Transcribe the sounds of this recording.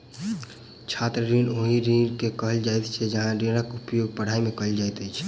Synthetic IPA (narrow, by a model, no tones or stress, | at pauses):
t͡ʃʰat̪ɾəɾinoɦiɾinkekəɦəld͡ʒajt̪t͡ʃʰɛd͡ʒəɦãɾeɾəkupjoɡ̚pəɽ̤aimẽkəɦld͡ʒajt̪əjt͡ʃʰ